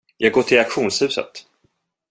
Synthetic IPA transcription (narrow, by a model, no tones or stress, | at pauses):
jʔɑːɡoːʈʰɪlakɧuːnshʉ̟ːsə̰t̪